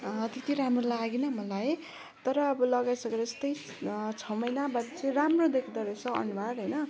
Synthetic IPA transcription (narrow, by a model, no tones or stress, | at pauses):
t̪it̪ʰiɾamrolaɡinʌmʌlaj | t̪ʌɾʌːbʌlʌɡajsʌkeɾʌst̪ʌj | t͡sʰʌmʌjnabaʈit͡sʌĩɾamrod̪ekʰid̪ʌɾʌjt͡sʰʌʌ̰nubaɾɦʌjnʌ